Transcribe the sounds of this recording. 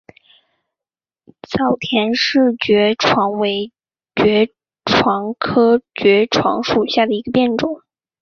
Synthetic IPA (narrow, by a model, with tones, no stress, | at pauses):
t͡sɑ˨˩ʊt̪ʰjɛ˧˥nʂɻ̩˥˩t͡ɕɥɛ˧˥ʈ͡ʂʰwɑ˧˥ŋwe˧˥ɪ | t͡ɕɥɛ˧˥ | ʈ͡ʂʰwɑ˧˥ŋkʰɤ˥t͡ɕɥɛ˧˥ʈ͡ʂʰwɑ̰˧˥ŋʂu˨˩ɕja˥˩d̪ə˩i˧˥ɡə˧pjɛ˥˩nʈ͡ʂʊ˨˩˦ŋ